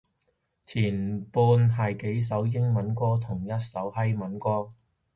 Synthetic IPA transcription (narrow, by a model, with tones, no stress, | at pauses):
t͡sʰiː˨˩npuː˧nɦɐ˨jke˨˥js̬ɐ˨˥wjɪ˥ŋmɐ˨˥nkɔː˥t̪ʰʊ˨˩ŋjɐ˥t̚sɐ˨˥whɐ˥jmɐ˨˥nkɔː˥